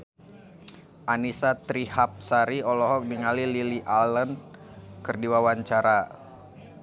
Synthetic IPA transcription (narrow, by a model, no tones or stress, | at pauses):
ʔanisat̪ɾihap̚saɾiɔlɔɦɔk̚niŋalililiʔalən | kərdiwawaɲt͡ʃaɾa